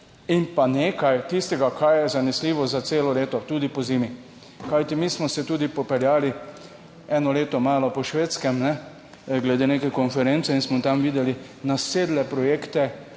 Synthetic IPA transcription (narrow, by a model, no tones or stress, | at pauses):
inpaneːkajt̪ist̪ɛɡakʰajjɛzanɛsliːʋɔzat̪seːlɔleːt̪ɔt̪uːd̪ipɔziːmi | kajt̪imiːsmɔsɛt̪uːd̪ipɔpɛljaːli | ɛnɔleːt̪ɔmaːlɔpɔʃʋeːt̪skɛmnɛ | ɡlɛd̪eːneːkɛkɔnfɛɾent̪sɛinsmɔt̪amʋiːd̪ɛli | naseːd̪lɛpɾɔjeːkt̪ɛ